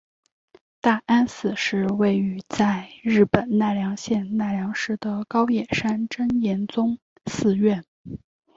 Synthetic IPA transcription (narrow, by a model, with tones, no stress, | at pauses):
t̪a˥˩ʔa˥nsɹ̩˨˩ʂɻ̩˥˧we˥˩ɪy˧˥t͡sa˥˧ɪɻɻ̩˥˩pə˨˩nna˥˩ljɑ˧˥ŋɕjɛ˥˧nna˥˩ljɑ˧˥ŋʂɻ̩˥˩d̪ə˩kɑ˥ʊjɛ˨˩ʂa˥nʈ͡ʂə˥njɛ˧˥nt͡sʊ˥ŋ | sɹ̩˥˧ɥɛ˥˩n